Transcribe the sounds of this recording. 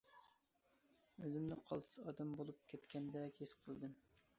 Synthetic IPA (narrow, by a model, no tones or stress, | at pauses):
øzɪmnɪqʰɑ̰lˠt̪ʰɨ̥sɑ̰ːd̪ɛmbolˠup̚kʲʰɛt̪kʲʰɛnd̪ɛkʲʰesqʰəlˠd̪ɨm